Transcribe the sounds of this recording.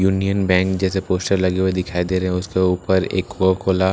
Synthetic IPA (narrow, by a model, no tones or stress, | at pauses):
juːnijənbɛ̃ːŋkd͡ʒɛːsepoːsʈəɾlɐɡewed̪ɪkʰaːid̪eːɾɐɦɛ̃ʊskeuːpəɾḛːkwokʰoːla